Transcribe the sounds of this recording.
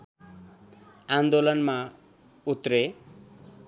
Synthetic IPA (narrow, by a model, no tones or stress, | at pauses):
and̪olʌnma | ut̪ɾe